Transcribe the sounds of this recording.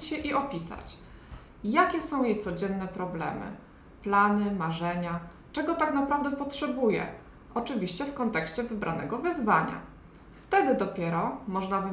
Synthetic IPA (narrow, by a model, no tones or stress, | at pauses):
t͡ɕɕɛʔiʔɔpʲisa̰t͡ɕ | jakʲɛsɔ̃w̃jejt̪sɔd͡ʑɛnːɛpɾɔblɛ̰mɘ̰ | planɘmaʐɛɲa | t͡ʂɛɡɔt̪aknapɾavd̪ɛpɔtʂɛbujɛ̰ | ʔɔt͡ʂɘvʲiɕt͡ɕɛfkɔnt̪ɛkɕt͡ɕɛvɘbɾʔanɛ̰ɡɔvɘzvaɲa̰ | ft̪ɛd̪ɘd̪ɔpʲjɛɾɔmɔʐnavɘ